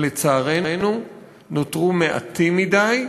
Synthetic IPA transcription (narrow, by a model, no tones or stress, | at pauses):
let͡saːʁe̞nu | not̪ʁumeʔa̰t̪imidaj